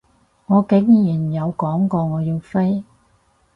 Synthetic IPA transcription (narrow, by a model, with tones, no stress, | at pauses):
ŋɔː˨˧kɪ˨˥ŋjiː˨˩njɐ˨˧wkɔː˨˥ŋkɔː˧ŋɔː˨˧jiː˧wfe˥j